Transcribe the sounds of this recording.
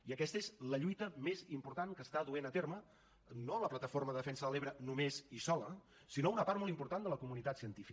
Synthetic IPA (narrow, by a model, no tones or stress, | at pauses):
iəkɛst̪əezləʎujt̪əmezimpuɾt̪aŋkəst̪aðuenət̪ermə | noələplət̪əforməðəðəfɛnsəðəleβ̞ɾənumezisɔlə | sinounəpaɾt̪mɔlˠt̪impuɾt̪and̪ələkumunit̪at̪siənt̪ifi